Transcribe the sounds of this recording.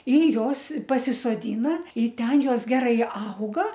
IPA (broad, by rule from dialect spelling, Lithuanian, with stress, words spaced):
ɪ ˈjoːs pɐsʲɪsoːˈdʲiːnɐ ɪ ˈtʲɛn ˈjoːs ˈɡʲæːrɐɪ ˈɐʊɡɐ